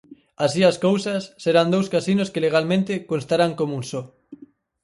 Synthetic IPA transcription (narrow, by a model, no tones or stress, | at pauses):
asiaskowsasːeɾand̪owskasinoskeleɣ̞almẽnt̪ɪkonst̪aɾaŋkomuŋsɔ